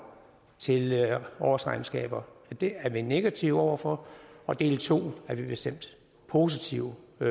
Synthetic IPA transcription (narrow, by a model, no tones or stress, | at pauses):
t͡sʰe̝lɒʊɐsʁɑ̈ɪm̩sɡ̥ɛ̰ːb̥ɐd̥eæɐʋine̝ɡ̥æt͡sʰiʊɒʊ̰ɐfɒ̽ɒ̽d̥e̝̰ːlt͡sʰo̝̰ːæɐʋib̥e̝sd̥em̰d̥ | pʰo̝ːsit͡sʰiʊ